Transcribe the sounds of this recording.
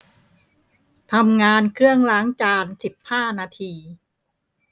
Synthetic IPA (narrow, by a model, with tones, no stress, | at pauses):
t̪ʰa˧mŋaː˧nkʰɾɯ˥˩əŋlaː˦˥ŋt͡ɕaː˧nsi˨˩p̚haː˥˩naː˧t̪ʰiː˧